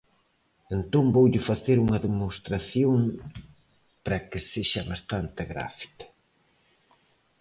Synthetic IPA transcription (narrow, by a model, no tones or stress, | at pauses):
ent̪ombowʎɪfaθeɾuŋɐðemost̪ɾaθjoŋ | pɾɐkɪseʃɐβast̪ant̪ɪɣɾa̰fi̥kɐ̥